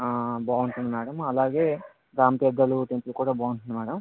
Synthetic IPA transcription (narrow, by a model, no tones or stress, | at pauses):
aːbaːʋuɳt̪und̪imɛːɽɐmɐlaːɡe̞ː | ɡɾaːmpɛd̪ːɐluʈempulukuːɽaːbaːwunʈ̪und̪imɛːɽɐm